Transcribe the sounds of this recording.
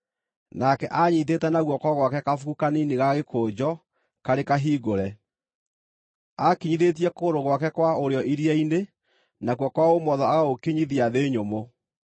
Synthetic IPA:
nakɛʔaɲiteːtɛnaɣwɔkɔɣwakɛkafuɣukaniniɣaɣekʰoːd͡ʑɔ | kaɾekaɦiːɡoɾɛ | akiɲiðet̬iɛkoːɾoɣwakɛkwaoɾeɔʔiɾiɛine | naɣwɔkwaomɔðɔaɣaɣokeɲiðiaðeːɲomo

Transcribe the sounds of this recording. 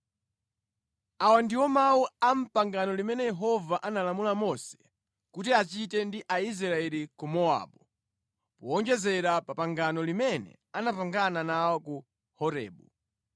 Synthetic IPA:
awandiwɔmauam̩paŋɡanɔlimɛnɛjɛɦɔvaʔanalamulamɔsɛ̥ | kutiat͡ʃitɛndiʔaiz̬ɾɾaɛlikumɔa̰ɓɔ | pɔɔnd͡ʒɛzɛɾapapaŋɡanɔlimɛnɛ̰ | anapaŋɡananawɔku | hɔɾɛ̰ːɓṵ

